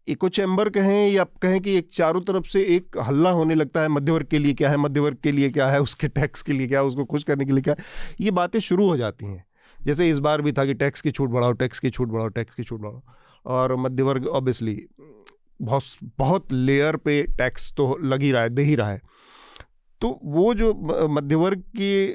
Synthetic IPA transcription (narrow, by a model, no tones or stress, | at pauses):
eːkot͡ʃɛ̃ːmbəɾkɐɦẽjaːp̚kɐɦẽk̬ieːk̚t͡ʃaːɾõt̪ɐɾəfseeːkɦɐlːaɦoːnelɐɡ̚t̪aɦɛmɐd̪ʱjəʋəɾɡ̚keliekjaːɦɛmɐd̪ʱjəʋɐɾɡ̚keliekjaɦɛʊskeʈɛːkskeliek̬jaːɦɛʊskokʊʃkɐɾnek̬eliekjaːɦɛjebaːt̪ẽʃʊɾuɦod͡ʒa̰ːt̪iɦɛ̰̃ː | d͡ʒɛːs̬eɪs̬baːɾbʱit̪ʰakiʈɛːkskit͡ʃʰuːʈ̚bɐɽ̤aːoʈɛːkskit͡ʃʰuːʈ̚bɐɽ̤aːoʈɛːkskit͡ʃʰuːʈ̚bɐɽ̤ao | ɔːɾmɐd̪ʱjəʋəɾɡɔːbiəsli | bɔbɐɦʊt̪leːəɾpeʈɛːkst̪olɐɡiɾɐɦaed̪eːɦiɾɐɦaeː | t̪oːʋod͡ʒoːmɐd̪ʱjəʋəɾɡ̚ki